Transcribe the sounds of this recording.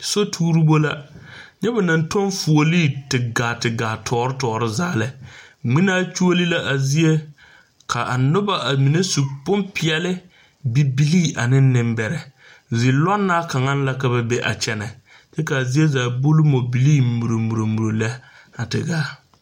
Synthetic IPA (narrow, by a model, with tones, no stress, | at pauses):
so˦tʰuː˦ɾu˦bo˦la˦ɲɛ˦ba˨na˨ntɔ˦nfu˨o˨li˦˨tɪ˨ɡaː˨tɪ˨ɡaː˨tʰɔː˨ɾɪ˦tɔː˨ɾɪ˦zaː˦lɛ˨ŋ͡mi˦naː˦t͡ʃu˦o˦li˦la˦ʔa˨zi˦e˦ | kʰa˨ʔa˨nʊ˦ba˦ʔa˨mi˨ne˦su˨pʊ˦mpɪ˦ɛ˦lɪ˦ | bi˨bi˦liː˦a˨nɪ˦n˦nɪ˨mbɛ˨ɾɛ˨ | zi˨lɔ˦nːa˦ka˨ŋa˦n˦la˦ka˨ba˨be˦ʔa̰˨t͡ʃɛ˦nɛ˨ | t͡ʃɛ˦ka˨zi˦e˦zaː˨bʊ˦lʊ˦mo˨bi˨liː˦˨mu˨ɾo˨mu˨ɾo˨mu˨ɾo˨lɛ˦ | a˨tɪ̰˨ɡaː˦